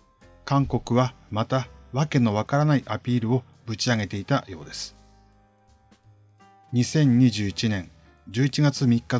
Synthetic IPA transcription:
kãŋko̞kɯ̟βamat̪aβake̞no̞β̞akaɾanaiʔapʲiːɾɯ̟o̞ | bɯ̟t͡ɕiaɡe̞t̪e̞it̪ajo̞ːd̪e̞sɨ̥ | ɲ̟isẽ̞ɲ̟ɲ̟iʑɨːit͡ɕinẽ̞ŋ | d͡ʑɨːit͡ɕiɡat͡sɨmʲikːa

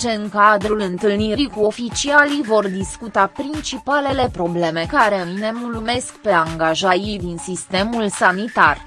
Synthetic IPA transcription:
t͡ʃeɨŋkad̪ɾulɨnt̪ɨlniɾikuo̞fit͡ʃialivo̞rd̪iskut̪apɾint͡ʃipale̞le̞pɾo̞ble̞me̞kaɾe̞ne̞mulume̞skpe̞aŋɡaʒajid̪insist̪e̞mulsanit̪ar

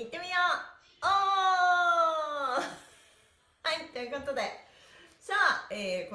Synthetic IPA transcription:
it̪ːe̞mʲijoː | oː | hait̪ːejɯ̟ko̞t̪o̞d̪e̞ | saːeːko

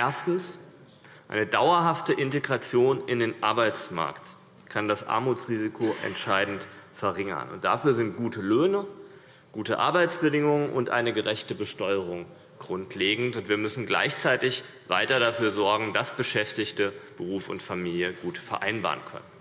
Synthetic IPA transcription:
ʔeːɐstn̩s | ʔa̰ɪnədaʊɐɦaftəʔɪnteɡʁat͡sjoːnɪndeːnʔaɐbaɪt͡sma̰ɐkt | kʰandasʔa̰ɐmuːt͡sʁ̥iːzikʰoʔɛ̰ntʃaɪdn̩tfɛɐʁɪŋɐ̰nʊ̰nt̚d̥a̰fyːɐzɪnt̚ɡ̥uːtʰəløːnə | ɡ̥uːtəʔa̰ɐbaɪt͡sb̥ədɪŋʊŋənʔʊ̰ntʔa̰ɪnəɡəʁɛçtəbəʃtɔʏəʁ̞ʊŋ | ɡ̥ʁʊntʰleːɡŋ̩tʊntv̥iːɐmʏsn̩ɡla̰ɪçt͡saɪtɪç | va̰ɪtɐɾafyːɐzɔɐɡŋ̩dasb̥əʃɛftɪçtəb̥əʁuːfʊ̰ntfamiːljəɡ̥uːtfɛɐʔa̰ɪnba̰ːɐʁənkʰœ̰nən

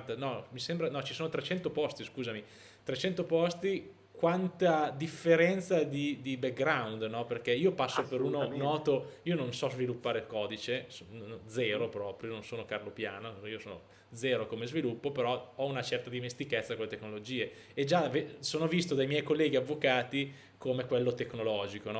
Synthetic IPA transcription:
t̪anɔmisɛmbɾanɔt͡ʃisoːnot̪ɾet͡ʃɛnt̪opɔst̪iskuːzami | t̪ɾet͡ʃɛnt̪opɔst̪i | kwant̪ad̪ifːeɾɛnt̪sad̪id̪ibek̚ɡɾawnd̪nɔperk̟eiːopasːopeɾuːnonɔːt̪oiːononsɔzvilupːaːɾelkɔːd̪it͡ʃesond̪zɛːɾopɾɔːpɾjonõnsoːnokarlopjaːnoiːosoːno | d̪zɛːɾokomezvilupːopeɾɔɔunat͡ʃɛrt̪ad̪imest̪iket̪sːakolːet̪ekːnolod͡ʒiːe | ed͡ʒavesoːnovist̪od̪ajmjɛjkolːɛːɡiavːokaːt̪i | komekwelːot̪eknolɔːd͡ʒikonɔ

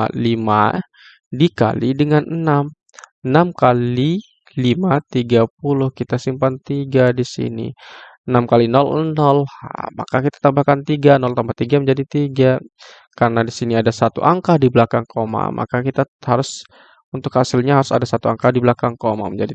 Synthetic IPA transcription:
lima̰ | dika̰lidəŋanənam | ənamkali | limat̪iɡap̚ulʊhkit̪asimpant̪iɡadisḭnḭənamkalinɔlnɔlhma̰kakit̪ḁt̪ambakant̪iɡanɔlt̪ambat̪iɡaməɲd͡ʒadit̪iɡa | kaɾənadisiniadasat̪ṵʔaŋkadiblakaŋkʰoma̰mʔa̰kakit̪ahaɾʊs | unt̪ʊkhasɪlɲaɦaɾʊsadasat̪ua̰ŋkadiblakaŋkoma̰məɲd͡ʒadi

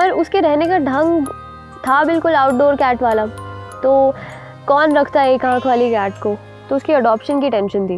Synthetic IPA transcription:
ɔɾʊskeɾɛɦnekaɖʱɐ̃ŋɡ | t̪ʰabɪlkʊlaːʊʈɖoːɾkɛːʈʋaːlat̪oː | kɔːnɾɐkʰt̪aɛeːkãːkʰʋaːlikɛːʈko | t̪oʊskiɐɖɔːpʃənkiʈɛ̃ːnʃənt̪ʰiː

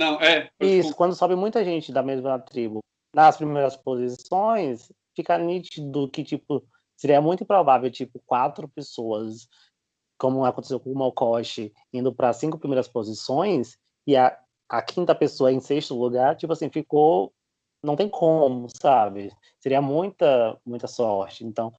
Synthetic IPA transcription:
nɐ̃w̃ɛisʊkwɐ̃nd̪ʊsɔbɪmũj̃t̪ɐʒẽnt͡ʃɪd̪ɐmezmɐɐt̪ɾibʊ | nɐspɾimejɾɐspozisõj̃s | fikɐnit͡ʃid̪ʊkɪt͡ʃipʊ | seɾiɐmũj̃t̪ʊĩpɾovavewt͡ʃipʊkwat̪ɾʊpesoɐs | kõmʊakõt̪esewkõmawkɔʃɪ | ĩnd̪ʊpɾɐsːĩŋkʊpɾimejɾɐspozisõj̃s | ɪɐ | ɐkʰĩnt̪ɐpesoɐẽseʃt̪ʊluɡaɾt͡ʃipʊasĩfiko | nɐ̃w̃t̪ẽj̃kʰõmʊsabɪ | seɾiɐmũj̃t̪ɐmũj̃t̪ɐsɔɾt͡ʃɪẽnt̪ɐ̃w̃

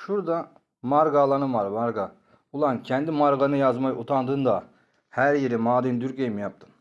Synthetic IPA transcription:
ʃuɾd̪a | maɾɡalˠanɯmaɾmaɾɡa | ulˠancʰɛnd̪imaɾɡanɯjazmajut̪ʰand̪ɯnd̪a | hæɾjeɾimaːd̪ind̪yɾkejimijap̚t̪ʰɯ̥m

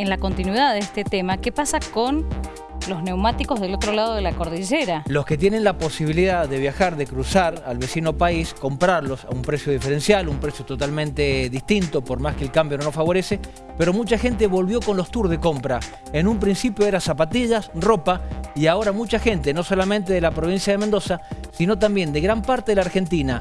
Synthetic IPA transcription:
enlako̞nt̪inwiðaðest̪et̪emakepasakon | lo̞zne̞wmat̪iko̞zðelo̞t̪ɾolað̞oðelakoɾðiʒeɾalo̞ske̞t̪̬jene̞nlapo̞siβ̞iliðaðe̞β̞jaxaɾðe̞kɾusaɾalβe̞sino̞paisko̞mpɾaɾlo̞saumpɾe̞sjo̞ðife̞ɾe̞nsjalumpɾe̞sjot̪o̞t̪almẽnt̪eðist̪int̪o̞po̞ɾmaskeːlkambjo̞nofaβo̞ɾese | peɾo̞mut͡ʃaxe̞nt̪̬e̞βo̞lβjo̞ko̞nlo̞hst̪uɾðeko̞mpɾa | enũmpɾĩnsipjoeɾasapat̪iðasro̞paiao̞ɾamut͡ʃaxe̞nt̪e̞no̞so̞lamẽ̞nt̪e̞ðelapɾo̞β̞insjaðemẽnd̪o̞sasino̞t̪̬ambje̞nd̪eɣɾampaɾt̪e̞ðelaɾxe̞nt̪ina

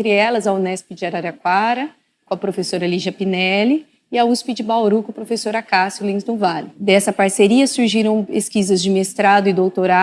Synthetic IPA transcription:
t̪ɾɪɛlɐzɐunɛspɪd͡ʒɪaɾaɾɐkwaɾɐ | kõɐpɾofesoɾɐliʒɐpinɛlɪ | ɪɐuspid͡ʒɪbawɾukʊ̃pɾofesoɾakasʊlĩzd̪uvalɪd̪ɛsɐpaɾseɾiɐsuɾʒiɾɐ̃w̃peskizɐzd͡ʒɪmest̪ɾad̪ʊɪd̪owt̪oɾa

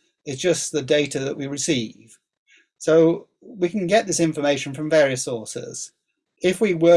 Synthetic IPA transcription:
ɪtsd̥ʒ̥ʌsðɨdeɪɾɨðəʔwiɹɨsiv̥ | soʊ | wikə̃n̩ɡɛʔ̚ðɪsɪ̃ɱfəmeɪʃn̩fɹə̃ɱvɛɹiɨsɔɹsɪ̰z̥ | ɪfwiwə

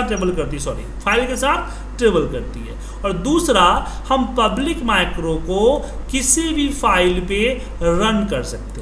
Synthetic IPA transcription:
ʈɾeːbəlkɐɾt̪iɦɛsɔːɾḭpʰaːɪlkesaːt̪̚ʰ | ʈɾeːbəlkɐɾt̪iɦɛ̰ː | ɔːɾd̪uːsɾa | hɐmpɐblɪkmaːɪkɾõko | kɪsibʱipʰaːɪlpe | ɾənkɐɾsɐk̚t̪eɦ

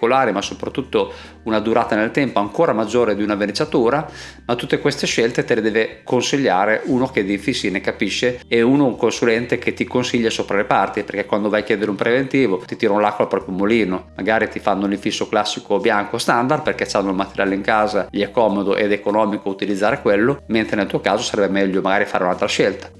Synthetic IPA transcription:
kolaːɾimasopɾat̪ːut̪ːo | unad̪uɾaːt̪anelt̪ɛmpoaŋkoːɾamad͡ʒːoːɾed̪iunavenet͡ʃat̪uːɾa | mat̪ut̪ːekwest̪eʃɛlt̪et̪eled̪ɛːvekonsiʎːaːɾeʔuːnoked̪iɱfisːinekapiʃːeeuːnouŋkonsulɛnt̪eket̪ːikonsiʎːasoːpɾalepart̪iperkɛkːwand̪ovajk̟jɛːd̪eɾeumpɾevent̪iːvot̪it̪iːɾaunlakːolapɾɔːpɾjomoliːnomaɡaːɾit̪ifanːouniɱfisːoklasːikobjaŋkost̪and̪ard̪̚perkɛt͡ʃanːoulmat̪eɾja̰ːleiŋkaːzaʎiɛkːɔːmod̪oʔed̪ekonɔːmikout̪ilid̪zːaːɾekwelːoment̪ɾenelt̪uːokaːzosaɾɛbːemɛʎːomaɡaːɾifaːɾeunalt̪ɾaʃɛlt̪ḁ

